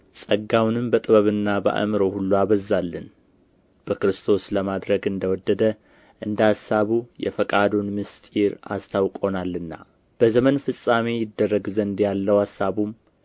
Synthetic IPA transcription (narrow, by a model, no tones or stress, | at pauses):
sʼəɡawnɨmbət̪ʼɨβəβɨnːabə̰ʔə̰mɨɾo̞hulːuaβəzːalːɨn | b̥əkɾɨst̪ʰo̞sləmad̪ɾəɡɨnd̪əwɔd̪ːəd̪ə | ʔɨnd̪asːaβujɛ̰fəkʼad̪unmɨst̪ʼiɾa̰st̪ʰawkʼo̞nalːɨnːa̰ | b̥əzəmənfɨsʼamejɪd̪ːərːəɡzənd̪jalːəwasːaβum